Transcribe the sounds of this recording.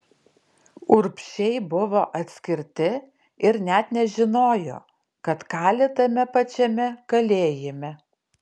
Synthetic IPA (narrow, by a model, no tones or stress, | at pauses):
ʊɾpʲʃʲɛɪbʊʋoːʔɐt̪ʲsʲkʲɪɾʲt̪ʲɪ | ɪɾnʲɛt̪nʲɛʒʲɪnoːjo̰ː | kɐt̪kɑːlʲet̪ɐmʲɛpɐt͡ʃʲɛmʲɛkɐlʲeːjemʲɛ